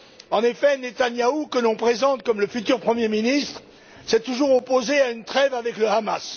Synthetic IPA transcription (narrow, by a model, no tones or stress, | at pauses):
ɑ̃nefɛnet̪anjaukəlɔ̃pχezɑ̃t̪kɔmləfyt̪yʁpχəmjeminist̪χ | sɛt̪uʒuʁopozeaynt̪χɛvavɛkləama̰s